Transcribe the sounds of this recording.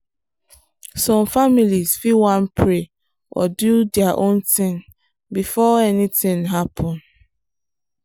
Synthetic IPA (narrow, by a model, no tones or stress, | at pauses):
sɔ̃mfamilizfiwãnpʰɹe | ʔɔ̰dudɛaʔõntĩŋ | bifɔɛnitɪ̃ŋɦapʰɔ̃n